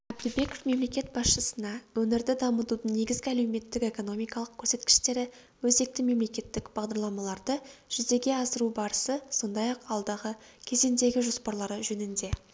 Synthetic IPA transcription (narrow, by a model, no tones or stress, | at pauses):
æb̚d̪ɪbe̞ko̞fme̞mle̞kʲe̞t̪̚bɑsʃəsənɑwɵnɪɾd̪ɪd̪ɑmət̪ud̪əɴne̞ɡʲɪzɡʲɪæle̞wme̞t̪ːɪke̞ko̞no̞mijkɑlˠəq̚kʲʰːɵ̥ɾse̞t̪kʲɪ̥ʃt̪e̞ɾɪ | wɵze̞k̚t̪ɪme̞mle̞kʲe̞t̪ːɪkb̥ɑʁd̪ɑɾlˠɑmɑlˠɑɾd̪əʒ̥ʏze̞ɡʲe̞ɑsəɾubɑɾəsəso̞nd̪ɑjɑqɑlˠd̪ɑʁə | kʲʰe̞ze̞nd̪e̞ɡʲɪʒo̞spɑɾlˠɑɾəʒɵnɪnd̪e̞